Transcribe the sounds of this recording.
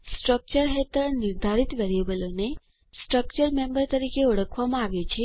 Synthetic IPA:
sʈɾək̚t͡ʃəɾɦet̪əɾnɪɾd̪ʱaɾit̪ʋeɾijebəlone | sʈɾək̚t͡ʃəɾmẽmbəɾt̪əɾikeɔɽəkʰʋamãaʋjet͡ʃʰe

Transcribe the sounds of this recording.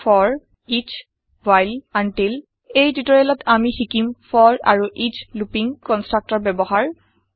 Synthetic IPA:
fʰɔɹ | it͡ʃ | wajlantil | ejtitɔɹɛlɔtamixikimfʰɔɹa̰ɹuʔit͡ʃlupiŋkɔnstɹak̚tɔɹbɛbɔɦaɹ

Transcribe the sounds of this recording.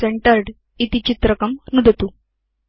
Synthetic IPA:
seɳʈəɾɖ | it̪it͡ɕit̪ɾəkəmnud̪ʱət̪u

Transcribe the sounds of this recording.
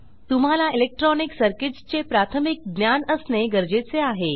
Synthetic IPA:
t̪um̤alailek̚ʈɾɔniksəɾkiʈst͡ɕepɾat̪ʰəmik̚ɡ̪njanəsneɡəɾd͡ʑet͡seaɦe

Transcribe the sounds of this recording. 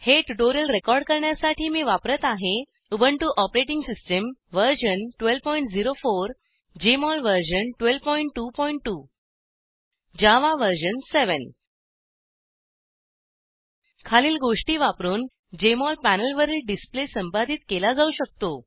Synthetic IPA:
heʈuʈoɾijəlɾekɔɾɖkəɾɳjasaʈʰiːmiːʋapɾət̪aɦe | ubʱəɳʈuːʔɔpɾeʈiŋɡsisʈəmʋəɾɕənʈʋelpɔiɳʈd͡ziɾofoɾ | d͡ʑemɔlʋəɾɕənʈʋelʋpɔiɳʈːuːpɔiɳʈːu | d͡ʑaʋaʋəɾɕənseʋən | kʰaliːlɡoʂʈiːʋapɾuːn | d͡ʑemɔlpænəlʋəɾilɖisplesəmpad̪ʱiːt̪kelad͡zauɕək̚t̪o

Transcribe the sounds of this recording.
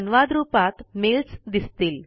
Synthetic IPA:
nʋad̪ɾuːpat̪melsd̪ist̪iːl

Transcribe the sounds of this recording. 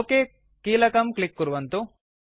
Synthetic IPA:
okeː | kiːlɐkɐmklikːuɾuʋɐnt̪u

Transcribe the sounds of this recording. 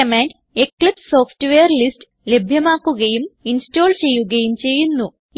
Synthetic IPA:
ɐmaːnɖ | eklipso̞ːfʰʈʋejɐrlist | le̞bʱjɐmaːkːuɣɐjuminsto̞ːlt͡ɕe̞jːuɣɐjumt͡ɕe̞jːunːu

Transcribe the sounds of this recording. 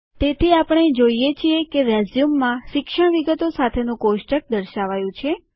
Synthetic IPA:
t̪et̪ʰiapəɳ̃ed͡ʒoijet͡ʃʰijekeʋɛzjumːãʃɪkʃəɳ̃ʋiɡət̪osat̪ʰenũkoʃʈək̚d̪əɾʃaʋajũt͡ʃʰe

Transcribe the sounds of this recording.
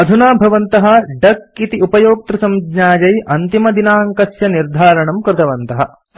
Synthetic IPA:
ɐd̪ʱunaːbʱɐʋɐnt̪ɐɦɐ̆ɖɐkit̪iupɐjoːk̚t̪ɾusɐmɡɲaːd͡ʒɐjɐnt̪imɐd̪inaːŋkɐsjɐniɾd̪ʱaːɾɐɳɐmkɾɪt̪ɐʋɐnt̪ɐɦɐ̰̆

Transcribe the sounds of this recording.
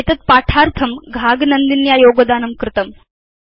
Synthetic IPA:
et̪ɐt̪̚paʈʰaɾt̪ʰɐmɡʱaɡnənd̪injajoɡod̪aːnɐmkɾɪt̪əm

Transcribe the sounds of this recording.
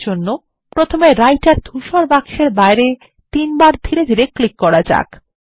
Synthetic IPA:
d͡ʑonːo | pɾot̪ʰomeɾajʈaɾd̪ʱʰuʃaɾbakʃeɾbaeɾe | t̪inbaɾd̪ʱiɾed̪ʱiɾeklikːɔɾad͡ʑa̰k

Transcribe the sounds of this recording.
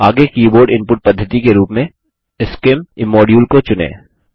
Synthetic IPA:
aːɡekiːboːɾɖɪ̃mpʊʈ̚pɐd̪ʱːət̪ikeɾuːpmẽ | ɪskɪmɪmːɔːɖijuːlkot͡ʃʊnḛː

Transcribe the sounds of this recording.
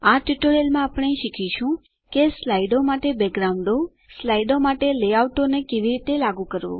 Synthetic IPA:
aʈiʈoɾelmãapɽ̃eʃikʰiʃũ | keslaiɖomaʈebɛkɡɾaʊ̃ɳɖo | slaiɖomaʈeleawʈonekeʋiɾit̪elaɡũkəɾʋo̰

